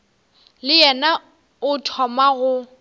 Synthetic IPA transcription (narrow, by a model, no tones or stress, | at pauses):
lɪjɛna | ʊtʰɔmaɣʊ